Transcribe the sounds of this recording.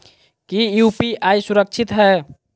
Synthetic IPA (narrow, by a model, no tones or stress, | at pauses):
kijupiajsuɾək̚t͡ʃʰit̪ɦɛ